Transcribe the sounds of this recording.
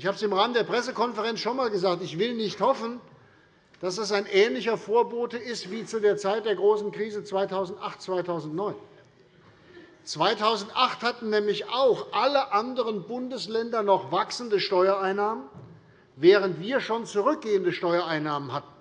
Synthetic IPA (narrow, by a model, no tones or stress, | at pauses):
ɪçhaːbəsɪmʁaːməndeːɐpʁ̥ɛsəkɔnfɛʁɛnsʃoːnmaːlɡəzaːk̚tɪçv̥ɪlnɪçthɔfn̩ | d̥asd̥as̬aɪnʔɛːnlɪçɐfoːɐboːtəɪstv̥iːt͡sudeːɐt͡saɪt̚d̥eːɐɡʁoːsn̩kʁ̥iːzət͡sv̥aɪtʰaʊzn̩tʔaχt̚t͡sv̥aɪtʰaʊzn̩tnɔʏn | t͡sv̥aɪtʰaʊzn̩tʔaχthatn̩nɛːmlɪçaʊxʔaləʔandəʁənbʊndəslɛndɐnɔχvaksn̩dəʃtɔʏɐaɪnːaːmən | vɛːʁəntv̥iːɐʃoːnt͡suʁʏk̚ɡ̥eːəndəʃtɔʏɐaɪnːaːmənhat̚n̩